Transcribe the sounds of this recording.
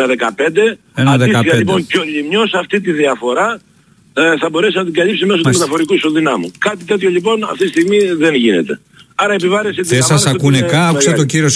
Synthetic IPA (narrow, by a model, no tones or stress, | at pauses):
nɐðekɐpe̞nd̪e̞ | ɐðsikɐʎipo̞nceo̞ʎimɲo̞sɐft̪it̪iðiɐfo̞ɾɐ | θɐbo̞ɾesinɐt̪iɡɐlipsime̞s̬oume̞t̪ɐfo̞ɾikusoðinɐmukɐt̪it̪e̞t̪ço̞ʎipo̞nɐ̰ft̪itist̪iɣmiðe̞nʝine̞t̪e̞ | ɐɾɐepivɐɾeset̪iesɐsɐkunekɐset̪ociɾios